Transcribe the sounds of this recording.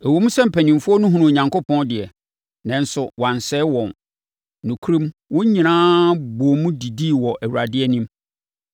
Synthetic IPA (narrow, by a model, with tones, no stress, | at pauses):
æ˨wo˨mũ˦sɛ˦m̩˨pʰæ˨nĩ˨m˨fʊ˦ɔ˦nʊ̃˦ɦũ˨nũ˨o˨ɲã˨ŋko˦pʰɔ̃˦ndɪ˨ɛ˨ | nã˨n˦sʊ˨wã˨n˨sɛː˦wɔ̃˨n | nʊ̃˨kʰu˦ɾĩ˦mwʊ̃˦ɲĩ˨nãː˦bu˨o˨mũ˦di˨di˦˨wɔ˨ʔæ˨wu˨ɾa˨dɪ˦ɛ˦nĩ˦m